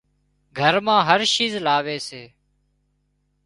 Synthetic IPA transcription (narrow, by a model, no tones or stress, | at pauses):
ɡʱəɾmãːɦəɾʃiːzlaːʋeːseː